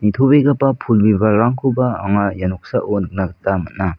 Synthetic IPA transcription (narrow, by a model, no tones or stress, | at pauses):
nit̪ʰobeɡapapʰulbibaɾaŋkʰubaːŋajanɔk̚saʔonɯk̚naɡatamat̚na